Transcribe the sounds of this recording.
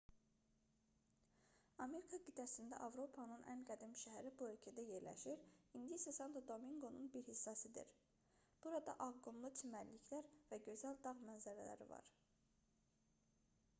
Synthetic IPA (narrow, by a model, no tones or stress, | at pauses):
ɑme̞ɾikʰɑɡid̪æsind̪æ̰ʔɑvɾo̞pʰɑnɯnʔæ̰nɡæd̪imʃæɦæɾibuø̞lcʰæd̪æje̞ɾlæ̰ʃiɾind̪ijisæsɑnt̪ʰod̪o̞miŋɡo̞nunbiɾhisːɑsid̪ḭɾ | b̥uɾɑd̪ɑ̰ʔɑɡonlˠut̪ʰimæɾliçʰlæɾvæɟø̞zæld̪ɑʁmænzæɾælæ̰ɾḭvɑ̰ɾ